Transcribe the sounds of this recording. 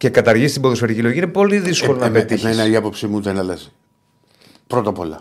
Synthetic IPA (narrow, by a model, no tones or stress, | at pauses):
ce̞kɐt̪ɐɾʝist̪iboðosfeɾicilo̞ɣʝinepo̞liðisko̞lonɐpet̪inenɐiɐpo̞psimuðenɐlɐzi | pɾot̪ɐpo̞lɐ̰